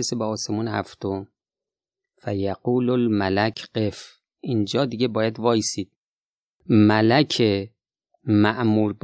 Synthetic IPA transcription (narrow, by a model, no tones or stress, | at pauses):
esebeɒːsemuːnhæ̰ft̪om | fæjæɡuːlolmælækʰɢef | ʔind͡ʒɒːd̪iɡebɒːjæd̪vɒːisiːd̪̥̚ | mælækʰe | mæʔmuːɾb